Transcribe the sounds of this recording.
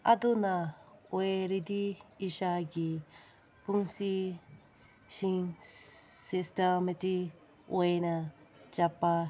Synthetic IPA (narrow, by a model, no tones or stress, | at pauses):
a̰d̪unaoeɾid̪iːʃaɡi | puŋsi | siŋ | sistameti | oenat͡ʃapːa